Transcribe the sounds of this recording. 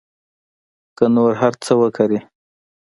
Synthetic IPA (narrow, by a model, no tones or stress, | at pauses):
kənoɾɦaɾt͡səwəkaɾi